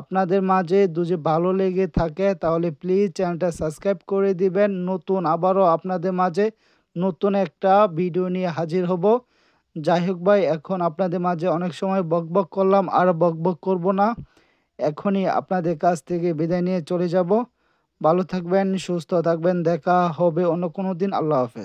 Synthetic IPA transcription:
apnad̪eɾmad͡ʑʱed̪ud͡ʑebʱaloleɡet̪ʰaket̪aɦoleplid͡ʑt͡ɕɛʈasəbskɾajb̚koɾed̪ibenːot̪unabaɾoapnad̪eɾmad͡ʑʱe | not̪unɛk̚ʈabʱiɖionieɦad͡ʑiɾɦɔbo | d͡ʑajɦok̚bajɛkʰonapnad̪eɾmad͡ʑʱeɔnekʃɔmɔebɔɡ̚bokːoɾlama̰ɾbɔɡ̚bokːoɾbona | ɛkʰonia̰pnad̪eɾkat͡ɕʰt̪ʰekebid̪aenijet͡ɕoled͡ʑabo | bʱalot̪ʰak̚benʃust̪ʰot̪ʰak̚bend̪ɛkʰaɦɔbeonːokonod̪ina̰lːaoafḛs

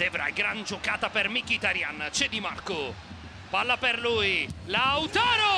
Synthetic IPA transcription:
d̪̥evɾa̰jɡɾand͡ʒʊkaːt̪apermikːit̪aɾjant͡ʃɛd̪imarkʊ | palːaperlujlawt̪ɔːɾo

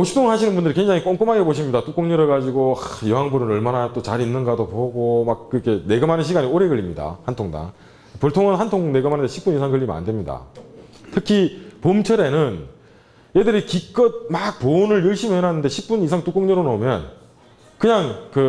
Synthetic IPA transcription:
oɕʰi̥p̚tʰoŋnɦaɕʰinɯnbundɯɭkweŋd͡ʑaŋik͈oŋk͈omaɡepoɕ̬ʰimɲidat͈uk͈oŋɲʌɾɯɡad͡ʑiɡoajʌɦaŋbuɾɯnʌɭmanat͈ot͡ɕaɾinːɯnɡadopoɡomak̚kɯɾʌkʰe̞ne̞ɡɯmanɯnɕʰiɡaɲioɾeɡɯɭːimɲida̰hantʰoŋda̰ŋ | poɭtʰoŋɯnɦantʰoŋne̞ɡɯmanɯndeɕʰi̥p͈uɲisʰaŋɡɯɭːima̰ndwemɲida̰tʰɯkʰipomt͡ɕʰʌɾe̞nɯn | jedɯɾikik͈ʌt̚mak̚ponɯɾjɯɭɕ͈ʰimɯɭenɦanːɯndeɕʰip̚p͈unis̬ʰaŋtuk͈oŋɲʌɾonomjʌn | kɯɲaŋkɯ

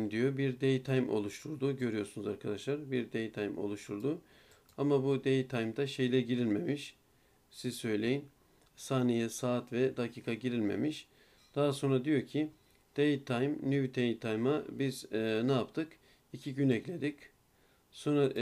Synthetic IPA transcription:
md̪ijo̞biɾd̪ejt̪ʰajmʔo̞̰lˠuʃt̪ʰuɾd̪uɟø̞ɾijo̞sunuzaɾkʰad̪aʃlˠaɾbiɾd̪ejt̪ʰajmo̞̰lˠuʃt̪ʰuɾd̪u | amabud̪ejt̪ʰajmd̪aʃe̞jlʲɛɟiɾilʲme̞miʃ | sizsø̞jlʲe̞jin | saːnejɛsaːt̪vɛd̪acʰiːkʰaɟiɾilʲme̞̰miʃ | d̪̥aɦaso̞nɾad̪ijo̞ɾcʰi | d̪̥ejt̪ʰajmnyvt̪ʰejt̪ʰajmabiznɛapt̪ʰɯk | icʰiɟynɛclʲe̞d̪ic | so̞nɾa

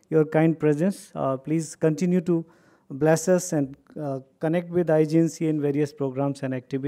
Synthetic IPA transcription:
joːɾkãɪ̃ɳɖ̚pɾɛzɛ̃nspliːzkə̃nʈɪ̃njuʈu | blɛsɐsɛ̃ɳɖ | kənɛk̚ʈʋɪd̪aɪd͡ʒẽnsiɪ̃nʋeːɾiəspɾoːɡɾãːmsɛ̃nɖɛk̚ʈɪʋɪ

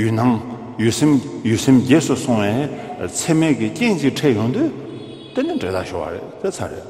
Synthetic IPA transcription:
jynaŋ | jysemjyːsemd͡ʑeːsusʰoŋwɛːt͡sʰemeːkiceŋt͡ɕiʔʈ͡ʂʰeːʔjoŋd̪y | t̪eneɳɖ͡ʐet̪aɕowa̰ɾḛʔp̪et͡sʰaɾḛʔ

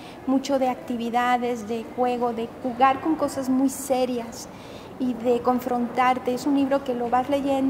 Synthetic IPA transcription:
mut͡ʃo̞ðe̞ak̚t̪iβiðaðe̞zðe̞xwe̞ɣ̞o̞ðe̞xuɣaɾko̞ŋko̞sazmujse̞ɾjas | iðe̞ko̞ɱfɾo̞nt̪aɾt̪e̞esunliβɾo̞ke̞lo̞βazle̞ʝe̞n

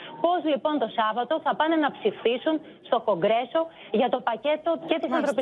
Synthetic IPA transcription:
po̞zlipo̞nt̪o̞sɐvɐt̪o̞θɐpɐne̞nɐpsifisun | st̪o̞ko̞ŋɡɾe̞so̞ | ʝɐt̪o̞pɐce̞t̪oce̞t̪isɐnθɾo̞pi

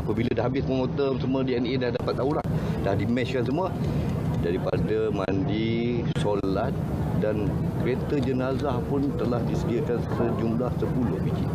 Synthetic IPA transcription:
apəbiladaɦabɪsməŋot̪əmsəmuədiɛnedahdapat̪̚auɾahdahdimɛt͡ʃkans̬əmuə | daɾipadəmandi | solat̪̚ | dan | kəɾet̪əd͡ʒənazahpʊnt̪əlahdisədiakansəd͡ʒumlahsəpulʊhbit͡ʃḭ

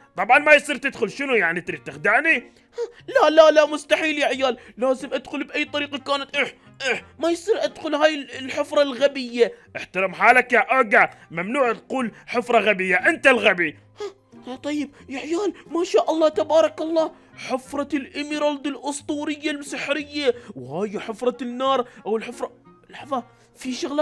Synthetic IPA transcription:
t̪ˤɑbʕɑnmajsˤiːɾt̪ɪd̪xʊlʃɪnujaʕnit̪ɾit̪ːɪxd̪aʕni | halalalamʊst̪aħiːljaʕjaːlːaːzɪmʔad̪xʊlbʔajːt̪ˤɑɾiːqɑkaːnat̪ʔaħ | ʔaħmajsˤiːɾʔad̪xʊlhaːjɪllħɪfɾˤɑlɣabɪjːaʔɪħt̪ɑɾˤɑmħaːlakaʔaɡamamnuːʕt̪quːlħɪfɾˤɑɣabɪjːaʔɪnt̪alɣabi | ha | t̪ˤɑjːɪb̚jaʕjaːlmaːʃaːʔɑlˤːɑːt̪abɑːɾˤɑkɑlˤːɑː | ħɪfɾˤɑlʔɪmiɾɑld̪ɪlʔʊsˤt̪ˤuːɾɪjːalmsɪħɾɪjːawhaːjħɪfɾˤɑnːɑːɾˤʔawɪlħɪfɾˤɑlɑħɑðˤɑ | fiʃaɣla

